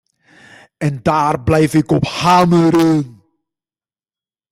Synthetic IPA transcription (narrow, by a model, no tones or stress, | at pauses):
ɛndaːrblɛjfɪkɔphaːməɾəːn